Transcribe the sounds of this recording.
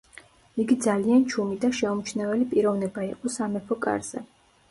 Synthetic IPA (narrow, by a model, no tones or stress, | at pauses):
iɡid̪zaliant͡ʃʰumid̪aʃɛɔmt͡ʃʰnɛvɛlipʼiɾɔvnɛbaiqʼɔsamɛpʰɔkʼa̰ɾz̥ɛ̰